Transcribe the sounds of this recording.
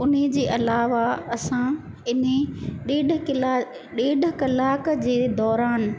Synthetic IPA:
ʊned͡ʑeːʔɐlaːʋaɐsã | ɪneɗeːɗɪla | ɗeːɗəkɐlaːkd͡ʑeːd̪ɔːɾaːn

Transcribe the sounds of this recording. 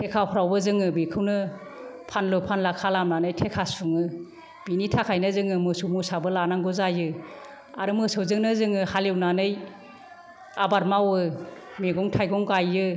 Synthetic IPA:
tʰekʰawpʰɾawbɯzɯŋɯbikʰɯwnɯpʰanlɯpʰanlakʰalamnanɯjtʰekʰasuŋɯ | b̥initʰakʰajnɯzɯŋɯmɯsumusabɯlanaŋɡɔzajɯ | aɾɯmɯsɯwzɯŋnɯzɯŋɯhaliwnanɯj | abaɾmawɯ | meɡɔŋtʰajɡɔŋɡajɯ

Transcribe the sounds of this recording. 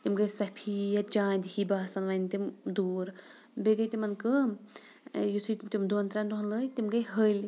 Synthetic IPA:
t̪imɡɐjsɐpʰijɐt͡ʃãːnd̪hibaːsɐnʋɐnt̪imd̪uːɾ | beɡɐjt̪imɐnkɨ | jisʰujt̪imd̪unt̪ɾant̪uɦɐnləit̪imɡɐjɦəlʲ

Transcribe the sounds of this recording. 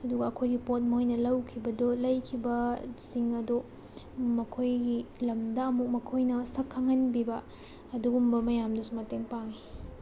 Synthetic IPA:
ɐduɡɐːkʰojɡipot̚mojnɐlɐwkʰibɐdolɐjkʰibɐsiŋɐdo | mɐkʰojɡilɐmdɐɐmuk̚mɐkʰojnɐsɐkʰːɐŋɐnbibɐ | ɐduɡumbɐmɐjamdɐsumɐteŋpaŋi

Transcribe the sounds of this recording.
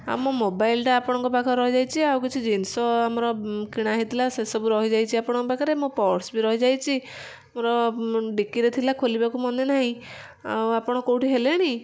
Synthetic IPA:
a̰mɔmobajlʈaːpɔɽ̃ɔ̃ŋkɔpakʰɔɾɔɦid͡ʒajt͡ʃʰiawkit͡ʃʰid͡ʒinsɔamɔɾɔkiɽ̃aɦit̪ilasesɔbuɾɔɦid͡ʒajt͡ʃʰiapɔɽ̃ɔŋkɔbakʰɔɾemũpɔɾʈsbiɾɔɦid͡ʒajt͡ʃʰi | amɔɾɔɖikiɾet̪ʰilakʰolibakumɔnenaɦĩ | a̰wapɔɽ̃ɔkowʈiɦeleɽ̃i

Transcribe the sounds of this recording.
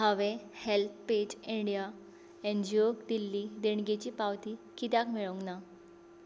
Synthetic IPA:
ɦaʋehelt̪̚ʰped͡ʑiɳɖija | end͡ʑiokd̪ilːid̪eɳɡet͡ɕiːpawt̪ikit̪akmiɭoŋɡna

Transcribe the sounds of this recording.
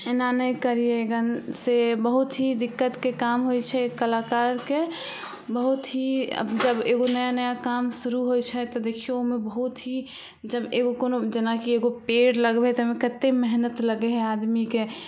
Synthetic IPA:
enanəikəɾieɡənsebəɦut̪ɦid̪ɪkːət̪kekamɦojt͡ʃʰɛkəlakaɾke | bəɦut̪ɦḭd͡ʒəbeɡonəjanəjakamsuɾuɦojt͡ʃʰɛt̪ɔd̪ekʰieoɦmẽbəɦut̪ɦi | d͡ʒəbeɡokonod͡ʒenakieɡopeɽləɡbet̪ɔɦmẽkət̪ːemɛɦnət̪ləɡeɦɛad̪mike

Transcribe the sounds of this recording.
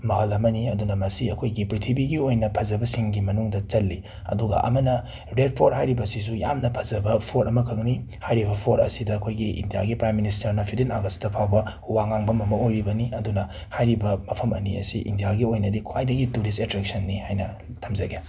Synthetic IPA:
mɐɦɐlɐmɐniɐdunɐmɐsiɐkʰojɡipɾitʰibiɡiojnɐpʰɐzɐbɐsiŋɡimɐnuŋdɐt͡ʃɐlːi | ɐ̰duɡɐ̰ʔɐ̰mɐnɐ | ɾed̚pʰoɾɦajɾibɐsis̬uja̰mnɐpʰɐzɐbɐpʰoɾʔɐmɐkʰɐknihajɾibɐpʰoɾɐ̰sidɐːkʰojɡiḭndija̰ɡipɾajminis̬tɐɾnɐpʰidinaɡɐstɐpʰawbɐ | waŋaŋbɐmɐmɐojɾibɐniɐdunɐ | hajɾibɐmɐpʰɐmɐ̰niɐ̰siʔḭndijaɡiojnɐdikʰwajdɐɡituɾistetɾek̚sɐnːihajnɐ | tʰɐmzɐɡe

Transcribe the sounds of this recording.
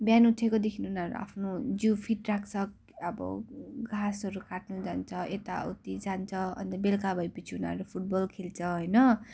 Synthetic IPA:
bjanuʈʰekod̪ekʰinuunanɾṵa̰pʰnod͡zjupʰiʈrak̚ʰt͡sʰʌk | ʌbʌ̰ɡʱasʌɾukaʈ̚nud͡zant͡sʰʌʔet̪a̰ṵt̪id͡zant͡sʰʌʌ̰nt̪ʌbelkabʱʌjpʌt͡sʰiuna̰ɾupʰuʈ̚bolkʰelt͡sʰʌɦʌjnʌ

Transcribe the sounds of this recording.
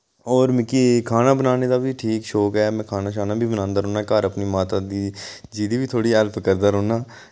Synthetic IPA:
ɔːɾmɪkikʰaːnaːbənaːned̪aːbʱiʈʰiːkʃoːkɦɛːmɛ̃ːkʰaːnaːʃ̬aːnaːbʱibənãːnd̪aːɾoːnaːkaːɾəpnimaːt̪aːd̪id͡ʒiːd̪iːbʱiːt̪ʰoːɽiəlpkəɾd̪aːɾoːnaː

